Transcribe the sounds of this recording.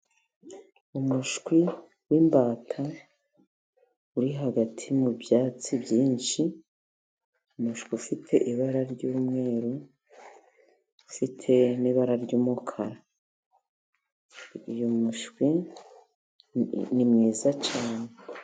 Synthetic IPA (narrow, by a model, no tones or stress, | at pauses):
umuʃkwi | wiːmbaːtʰa | uɾiɦaɡatʰimubjaːt͡sibjiːnʃi | umuʃkwiufitʰe̞ʔiβaɾaɾɟuːmŋe̞ːɾu | fitʰe̞niβaɾaɾɟuːmukʰaɾa | ijomuʃkwi | nimŋiːzat͡ʃaːne